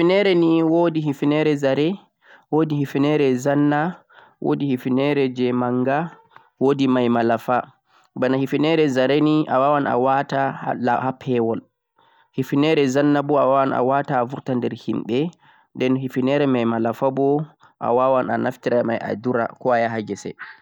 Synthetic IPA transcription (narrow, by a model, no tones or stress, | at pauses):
hifinɛɾɛniwodiɦifinɛɾɛzaɾɛ | wodihifinɛɾɛzanːa | wʔo̰dihifinɛɾɛd͡ʒɛmaŋɡa | wodimajmalafa | banahifinɛɾɛzaɾɛniʔa̰wawana̰watalahapʰɛwɔl | hifinɛɾɛzanːabɔawawana̰wataːvuɾtandɛɾhimɓɛ | ndɛnhifinɛɾɛmajmalafabɔ | ʔa̰wawana̰naftiɾamaja̰duɾa̰kɔajaɦaɡɛsɛ̰